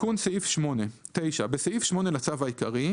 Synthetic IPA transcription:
unseifʃmo̞net̪ejʃabeseifʃmo̞nelat͡savaikaʁi

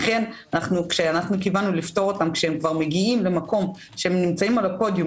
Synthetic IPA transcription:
χe̞nanaχnukʃeanaχnukivanulifto̞ʁo̞tamkʃeemkvaʁme̞ɡiimle̞mako̞m | ʃehemnimt͡saimalapo̞dju

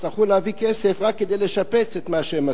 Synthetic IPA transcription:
iχuleavikesefʁakːed̪ejleʃapet͡set̪maʃeema

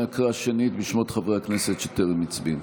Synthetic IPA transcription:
akʁaʃenit̪biʃmot̪χavʁehakneset̪ʃot̪eʁlemit͡sbin

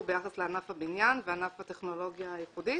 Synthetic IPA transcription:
bejaχasleanafhabinjanveanafhat̪eχno̞lo̞ɡjaːjiχudi

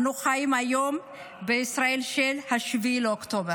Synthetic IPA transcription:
nuxajimajom | beisɾaelʃɛlhaʃvilokt̪obeɾ

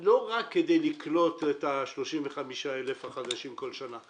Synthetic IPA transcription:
lo̞ʁakːede̞jliklo̞tetaʃlo̞ʃimveχamiʃaelefhaχad̪aʃimko̞lʃana

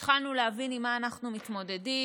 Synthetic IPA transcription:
tχalnuleavinimaːnaχnumit̪mo̞de̞di

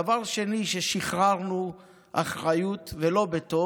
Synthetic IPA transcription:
avaʁʃe̞niʃeʃiχʁaʁnu | ʔaχʁajut̪velo̞bet̪o

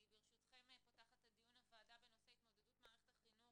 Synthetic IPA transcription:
beʁeʃut̪χe̞mepotaχat̪ad̪ijunafaːtavenoseait̪mo̞d̪e̞dutmaːʁeχetaχino

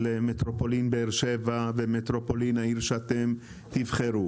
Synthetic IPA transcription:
lemet̪ɾopolinbeeʁʃevavemet̪ɾopolinaiʁʃat̪em | t̪ivχeɾu

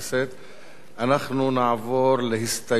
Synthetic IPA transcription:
set̪ | ʔanaχnunaʕvoɾlehɪst̪a

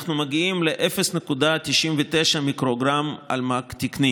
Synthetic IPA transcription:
χnumaɡiimle̞ʔefesnekud̪at̪iʃimvet̪eʃamikʁo̞ɡʁama̰lmakt̪ikni

